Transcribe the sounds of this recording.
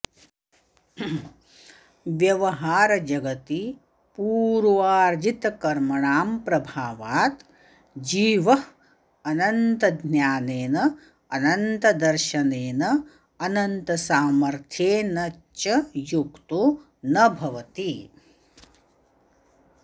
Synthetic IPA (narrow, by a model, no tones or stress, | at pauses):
ʋjɐʋɐɦaːɾɐd͡ʒɐɡɐt̪i | puːɾʋaːɾd͡ʒit̪ɐkɐɾmɐɳaːmpɾɐbʱaːʋaːt̪ | d͡ʒiːʋɐ | ɐnɐnt̪ɐd̪ʱnjaːneːnɐ | ɐnɐnt̪ɐd̪ɐɾʃɐneːnɐ | ɐnɐnt̪ɐsaːmɐɾt̪ʰjeːnɐ | t͡ʃɐjukt̪u | nɐbʱɐʋɐt̪i